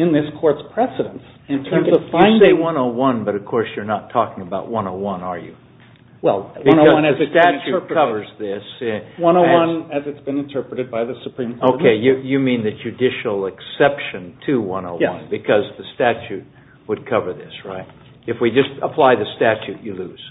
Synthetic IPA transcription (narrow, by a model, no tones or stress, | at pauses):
ɨ̃nðɪskʰɔɹtspʰɹ̥ɛsɨɾə̃ns | ɨ̃ntʰɜ̃˞mzʌ̥fãɪ̃seɪwʌ̃noʊwʌ̃nbʌɾʌv̥kʰɔɹsjə˞nətʰɔkɪ̃ŋəbaʊʔ̚wʌ̃noʊwʌ̃nə˞jɨ̰ | wɛl̃ˠnoʌzʌ̃nɨɨstæt͡ʃʉkʰʌvə˞zðɪswʌ̃ñoʊwʌ̃nnɨzɨtsb̥ɨ̃nɨ̃ntʰɜ˞pɹɨɾɨd̚baɪðɨsɨpʰɹ̥ĩmkʰoʊkʰeɪjɨjɨmĩnðɨ̥d͡ʒʉdɪʃl̩ˠɨksɛpʃɨ̃ntʰɨwʌ̰̃noʊʌ̰̃nbɨkʰʌzðɨstæt͡ʃʉt̚ | wəd̚kʰʌvə˞ðɪsɹa̰ɪt̚ | ɨfwid͡ʒʌstəpʰl̥aɪðɨstæt͡ʃʉt͡ʃɨlʉz̥